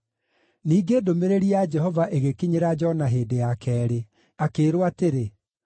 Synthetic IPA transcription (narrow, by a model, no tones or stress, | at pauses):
niːɡeːdomeɾeɾiad͡ʒɛɦɔvaʔeɣekiɲeɾad͡ʒɔnaɦeːdeakʰɛːɾe | akeːɾwateɾe